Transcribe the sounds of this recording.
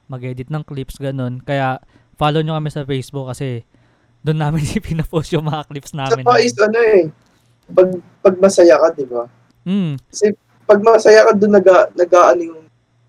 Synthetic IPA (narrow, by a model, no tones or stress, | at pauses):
mɐɡɛːd̪ɪt̪̚nɐŋklipsɡɐno̞nkɐjaʔ | faːlowɲokɐmɛsɐfejsbuk̚ːɐsɛ | d̪ʊnːaːmɪnipinɐposjʊŋmɐŋɐklipsnaːsɐmɪnaʔisʔɐnoɛ | pɐɡ̚ | pɐɡ̚mɐsɐjakɐd̪ɪba | mm̩kɐsɛ | pɐɡ̚mɐsɐjakɐd̪ʊnːɐɡanɐɡaːʔɐnʊjʊŋ